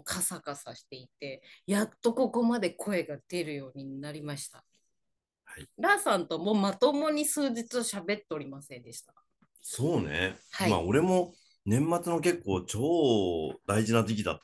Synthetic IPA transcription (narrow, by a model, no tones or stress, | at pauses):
kʰasakasaɕi̥t̪e̞it̪e̞jat̪ːo̞ko̞ko̞mad̪e̞kʰo̞e̞ɡad̪̥e̞ɾɯ̟jo̞ːɲ̟inaɾʲimaɕi̥t̪a̰ | haiɾaːsãnt̪o̞mo̞ːmat̪o̞mo̞ɲ̟isɨːd͡ʑit͡sɨoɕabe̞t̪ːeo̞ɾʲimasẽ̞nd̪e̞ɕi̥t̪ḁ | so̞ːnḛhaima̰o̞ɾe̞mo̞ | nẽ̞mːat͡sɨno̞k̬e̞kːo̞ːt͡ɕo̞ːd̪aiʑinat̪̬ek̬ʲid̪a̰t̪